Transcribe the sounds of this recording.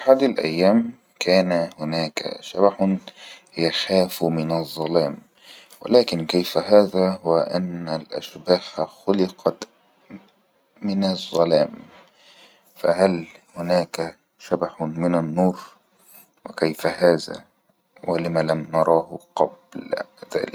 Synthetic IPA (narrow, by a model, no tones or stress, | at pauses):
ħaːd̪alʔæ̰jːaːm | kaːnahʊnaːka̰ʃabaħʊn | jaxaːfmɪnɑzˤːɑlaːm | wɪ̰laːkɪnkajfaɦaːðahʊwaʔanːalʔa̰ʃbaːxxʊlɪqʰɑt̪ | mɪnɑzˤːɑlaːm | fahalhʊnaːka | ʃabaħmɪnanːuːɾˤ | wɪkajfahaːðæ̰ | wɪlɪmalamnɑɾˤɑːhʊqɑblð̥a̰ːlɪk